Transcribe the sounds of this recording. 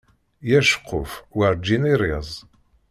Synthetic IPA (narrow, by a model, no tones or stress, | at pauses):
jæʃə̥qʰːʊ̰fwaɾd͡ʒːiniɾizˤ